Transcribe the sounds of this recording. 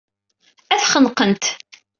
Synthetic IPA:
æθχənqənt̪

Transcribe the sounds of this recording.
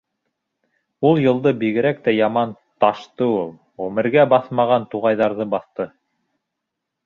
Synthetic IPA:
ulˠjɤ̆lˠd̪ɤbiɣɘ̆ɾæk̚t̪æjɑmɑn | t̪ɑʃt̪ɤulˠ | ʁɵmɘ̆ɾɡæbɑθmɑʁɑnt̪uʁɑjðɑɾðɤbɑθt̪ɤ

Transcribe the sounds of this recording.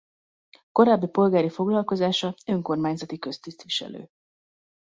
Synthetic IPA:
ko̞ɾaːbːipo̞lɡaːɾifo̞ɡlɒlko̞zaːʃɒøŋko̞rmaːɲzɒt̪ikø̞st̪ist̪ʋiʃɛ̰lø̰ː

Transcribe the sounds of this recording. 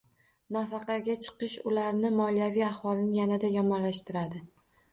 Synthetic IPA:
nafɑqɑɡʲat͡ʃʰɨ̥qɨʃʊlaɾnɪmɒlijavijahwɒlɪnɪjanad̪ajɒmɒnlaʃt̪ɪɾad̪ɪ

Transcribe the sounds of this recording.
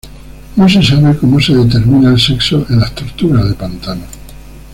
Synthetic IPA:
nos̬esaβeko̞mose̞ðet̪̬e̞ɾmĩnaelseksoʔelaht̪oɾt̪uɾaðepant̪ano

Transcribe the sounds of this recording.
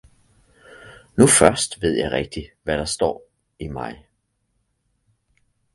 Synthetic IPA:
nufɶɐsd̥ʋe̝ð̞̰ˠjɑ̈ɪʁɛɡ̥̚d̥iʋæɾ̥ɑ̈sd̥ɒ̰ː | imɑ̈ɪ

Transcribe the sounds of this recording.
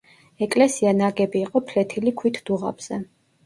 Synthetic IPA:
ɛkʼlɛsianaɡɛbiːqʼɔpʰlɛt̪ʰilikʰwit̪ʰd̪̥uʁa̰bz̥ɛ

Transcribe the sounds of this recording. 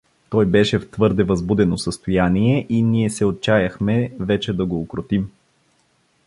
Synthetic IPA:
t̪ɔjbɛʃɛft̪vɤɾd̪ɛvɐzbud̪ɛnosəst̪ojaniɛʔiniɛsɛot̪̚t͡ʃajɐxmɛvɛt͡ʃɛd̪ɐɡoːkɾot̪im

